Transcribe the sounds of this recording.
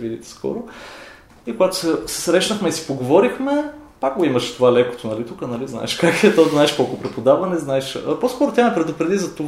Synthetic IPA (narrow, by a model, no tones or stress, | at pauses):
vid̪iskɔ̰ɾo | ikoɡat̪ʊ̥sɛsɛ̥sɾɛʃnɐxmɛisi̥poɡovɔɾixmɛpak̚ɡoimɐʃt̪ovalɛko̥t̪onɐlit̪ukənɐlizna̰ɛʃkakiɛt̪ɔznaɛʃkɔlˠkʊpɾɛpod̪avɐnɛznaɛʃposkɔɾot̪iamɛpɾɛd̪ʊpɾɛd̪izɐt̪o